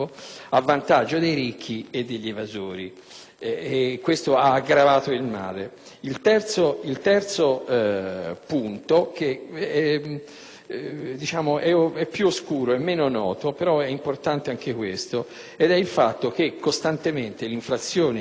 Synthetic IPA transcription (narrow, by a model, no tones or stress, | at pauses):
oavːant̪ad͡ʒːod̪ejɾikʰːied̪ːeʎːevazoːɾi | ɛkːwest̪oaːɡɾavaːt̪oilma̰ːle | ilt̪ɛrt̪soilt̪ɛrt̪so | punt̪ok̟eɛ | d̪it͡ʃaːmoʔɛɛpːjuoskuːɾoemːeːnonɔːt̪opeɾɔɛimport̪ant̪eaŋkekwest̪o | ed̪ɛilfat̪ːok̟ekːost̪ant̪ement̪eliɱflat̪sːjoːne